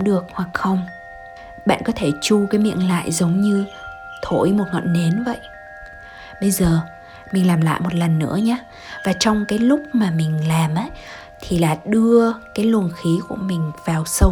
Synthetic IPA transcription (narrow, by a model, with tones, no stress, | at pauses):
ɗɨ˨˩ək̚hwa˨˩k̚xə˧wŋ͡m | ɓa̰ː˧˨nkɔ˨˦t̪ʰe˧˩t͡ɕu˧kaː˨˦jmḭ˧˨ənla̰ː˧˨jzə˨˦wŋ͡mɲɨ˧ | t̪ʰo˧˩jmo˨˩t̚ŋə̰˧˨nne˨˦nvə̰˧˨jʔ | ɓə˧jzəː˨˩ | mi̟˨˩laː˨˩mla̰ː˧˨jmo˨˩t̚lə˨˩nːɨ̰˧˥əɲaː˧ | vaː˨˩t͡ɕɔ˧wŋ͡mkaː˨˦jlʊ˦˥k͡p̚maː˨˩mï˨˩ŋ̟laː˨˩mʔaː˨˦j | t̪ʰi˨˩laː˨˩ɗɨ˧əkaː˨˦jlu˨˩ənxi˨˦ku˧˩əmï˨˩ŋ̟vaː˨˩wsə˧w